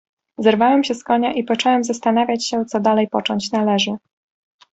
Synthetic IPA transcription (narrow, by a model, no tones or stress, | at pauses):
zɛɾvawɛmɕɛskɔɲaʔipɔt͡ʂɔwɛmzast̪an̪avʲjat͡ɕɕɛt̪sɔd̪alɛjpɔt͡ʂɔɲt͡ɕnalɛʐɘ